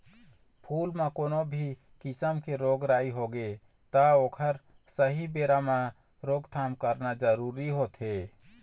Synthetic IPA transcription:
pʰulmekonobʱi | kisəmkeɾoɡɾaiɦoɡe | t̪əokʰəɾ | səɦibeɾame | ɾoɡt̪ʰamkəɾnad͡ʒəɾuɾiɦot̪ɦe

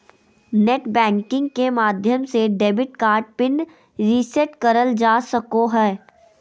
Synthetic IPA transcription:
neːʈbɛ̃ːŋkɪ̃ŋɡ̚kemaːd̪ʱjəmseɖeːbɪʈkaːɾʈ̚pɪn | ɾisɛʈkəɾəld͡ʒaːsɐkoɦɛː

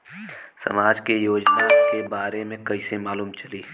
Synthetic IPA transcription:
sɐ̰maːd͡ʒkejoːd͡ʒnaːkebaːɾemẽkɐisemaːluːmt͡ʃɐliː

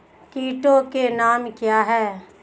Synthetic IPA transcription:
kiːʈõkenaːmkjaːɦɛː

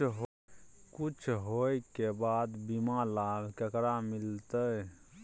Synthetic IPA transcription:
ɦ | kut͡ʃʰɦojkebad̪bimalabkəkɾamilt̪ə

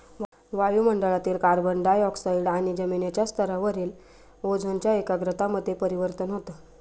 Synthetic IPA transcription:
ʋ | ʋajuːməɳɖəɭat̪iːlkaɾbəɳɖajɔksaiɖaɽ̃id͡ʑəminet͡ɕjast̪ʰəɾaʋəɾiːl | od͡zʱont͡ɕjaekaɡɾət̪aməd̪ʱjepəɾiʋəɾt̪ənɦot̪ə

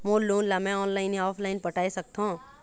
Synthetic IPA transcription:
moːlloːnlamɛ̃ɔːnlaːɪniɔːpʰlaːɪnpɐʈaːisɐk̚t̪aɦũ

